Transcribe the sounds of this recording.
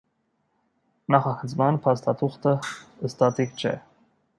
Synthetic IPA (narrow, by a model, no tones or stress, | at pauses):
nɑχɑkʰət͡sʰmɑnpʰɑst̪ɑt̪ʰuχt̪əəst̪ɑt̪ʰikt͡ʃʰɛ̰